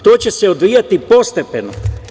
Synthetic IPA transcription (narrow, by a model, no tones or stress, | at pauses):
t̪oːt͡ɕe̞seod̪ʋijat̪ipo̞st̪e̞peno̰